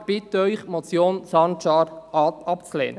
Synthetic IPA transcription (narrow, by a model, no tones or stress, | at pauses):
b̥ɪt̪œʏχmɔt͡sjoːnsɑnt͡ʃɑːɾɑtɑpt͡slḛːnə